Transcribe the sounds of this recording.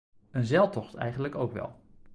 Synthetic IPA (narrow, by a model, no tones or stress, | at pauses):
ənzɛlˠtɔχtɛ̰jχəndləkowkʋɛ̰lˠ